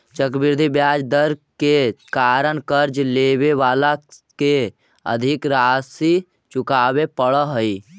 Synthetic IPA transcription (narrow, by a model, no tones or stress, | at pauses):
t͡ʃəkbiɾd̪ʱibjaːd͡ʒd̪əɾkekaːɾəɳkəɾd͡ʒlebeʋaːlake | ə̰d̪ʱikɾasi | t͡ʃukaːbepəɽəɦəi